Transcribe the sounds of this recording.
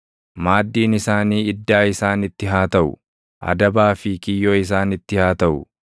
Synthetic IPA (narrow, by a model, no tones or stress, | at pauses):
maːd̪ːiːnɪsaːniːɪd̪ːaːɪsaːnɪt̪ːɪɦaːt̪ɐʔʊ̰ | ʔɐ̰d̪ɐbaːfɪkɪjːoːɪs̬aːnɪt̪ːɪhaːt̪ɐʔʊ̰